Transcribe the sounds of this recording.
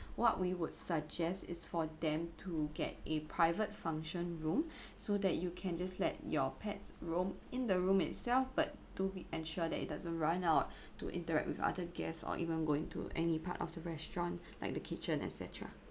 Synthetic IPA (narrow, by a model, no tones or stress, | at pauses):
wɔʔwiwudsəɡ̚d͡ʒɛstɪ̰sfɔdɛ̃mtʰuɡɛ̰t̚epʰɹaɪvətfãŋʃə̃nɹũm | sodɛt̚jukʰɛ̃nd͡ʒaslɛt̚jɔpʰɛtsɹõmɪ̃ndəɹũmɪ̰t̚sɛlfbatːubiʔɛ̃nʃɔədɛtɪ̰t̚dazə̃nɹãnaʊt̚ː | ṵʔɪ̰̃ntəɹɛ̰k̚wɪfa̰dəɡɛssɔ̰ʔḭvə̃nɡoĩŋtʰṵʔɛnipa̰tɔ̰fdəɹɛstɹɔ̃nla̰ɪk̚dəkʰit͡ʃə̃nɛ̰tsɛ̰tʰɹa̰